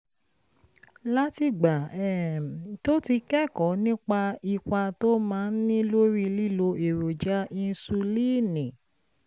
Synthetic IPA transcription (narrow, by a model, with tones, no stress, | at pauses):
la˦ti˧ɡ͡ba˨ɛ˨to˦ti˧kɛ˦˨kɔ̃˨˦nĩ˦k͡pa˧i˧ka˧to˦mãː˨˦n̩˦nĩ˦lo˦ɾi˦˧li˦˨lo˧e˨ɾo˨d͡ʒa˦i˧n̩˦su˧li˦˨nĩ˨